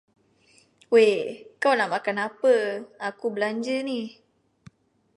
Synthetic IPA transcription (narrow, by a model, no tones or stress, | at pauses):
wekawnamakanapəakubəlaɲd͡ʒənih